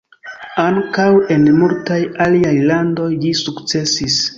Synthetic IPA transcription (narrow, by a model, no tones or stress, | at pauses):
aŋkawe̞nmultajaliajlando̞jlisukt͡se̞sis